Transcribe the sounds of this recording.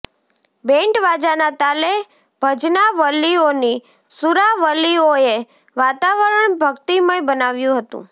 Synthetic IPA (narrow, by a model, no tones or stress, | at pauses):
bẽɳʈʋad͡ʒanat̪ale | b̥ʱəd͡ʒnaʋəlːioni | suɾaʋəlioe | ʋat̪aʋəɾəɳbʱəɡt̪iməjbənaʋjũɦət̪ṵ̃